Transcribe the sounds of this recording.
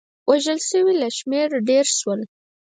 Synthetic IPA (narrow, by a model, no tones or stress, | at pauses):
wʔaʒəlʃəwilaʃmeɾɖeɾʃwəl